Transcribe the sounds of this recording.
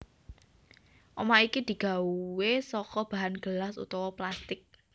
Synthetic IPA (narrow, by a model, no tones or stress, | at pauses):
ʔɔmaikid̪̥i̤ɡ̥a̤uwesɔkɔb̥a̤ɦanɡ̥əlasṵt̪ɔwɔplast̪ɪk̚